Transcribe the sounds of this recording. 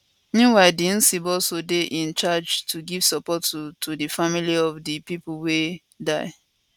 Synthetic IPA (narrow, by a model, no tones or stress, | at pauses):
nũwaɪdin̩sibɔlsodeʔĩnt͡ʃad͡ʒtʰuɡiv̥sɔpɔttʰudifamiliɔvdipip̩we | daɪ